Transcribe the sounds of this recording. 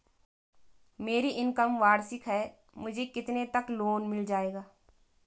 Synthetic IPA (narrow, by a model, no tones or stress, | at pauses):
meːɾiʔɪnkəmʋaːɽsɪkɦɛː | mʊd͡ʒʱekɪt̪net̪ɐkloːnmɪld͡ʒaːeːɡaː